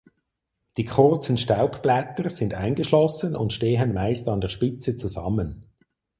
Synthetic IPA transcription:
d̥ikʰʊrt͡sən̩ʃtaʊpb̥lɛtərsɪndaɪnɡəʃlɔsənʊ̰ntʃteːɦənmaɪstɑndɛʁʃpɪt͡sət͡suzɑ̰mːən

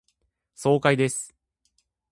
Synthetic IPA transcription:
so̞ːkaid̪e̞sɨ̥

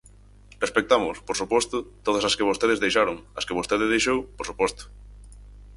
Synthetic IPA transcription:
respek̚t̪amʊspoɾsupɔst̪ʊt̪oð̞ɐsɐskeβ̞ost̪eð̞ezðejʃaɾʊŋɐskeβ̞ost̪eðeðejʃowpoɾsupɔst̪ʊ̥

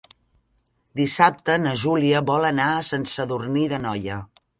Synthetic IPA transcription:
d̪isap̚t̪ənəʒuliəβɔlənasənsəðurniðənɔjə

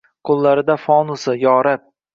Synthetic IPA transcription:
qʰʊlˠːaɾɪd̪afɒnʊsɪjɒɾɪp̚

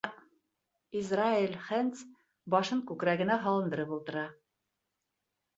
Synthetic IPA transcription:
izrailʲχænt̪s | bɒʃɤŋkʉkɾæɡɘ̆næɦɑlˠɤ̆nd̪ɤ̆ɾɤpulˠt̪ɤ̆ɾɑ

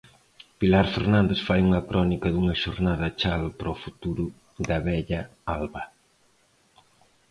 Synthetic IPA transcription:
pilaɾfeɾnãnd̪esfajuŋɐkɾɔnikɐðuŋɐʃoɾnaðɐt͡ʃaðʊpɾofut̪uɾʊ | ðɐβɛʎɐalβɐ

